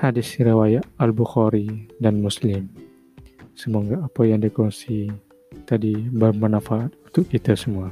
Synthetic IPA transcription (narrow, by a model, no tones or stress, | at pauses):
hadisɾewajaʔalbuxɔɾidanmuslɪm | səmoŋɡaːpajaŋdikɔnsi | t̪adibəmənafaːt̪̚unt̪ʊʔkit̪asəmua